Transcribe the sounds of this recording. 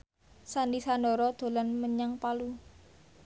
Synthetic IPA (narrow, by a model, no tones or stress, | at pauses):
sandisandɔɾɔd̪̥o̤lanməɲaŋpalu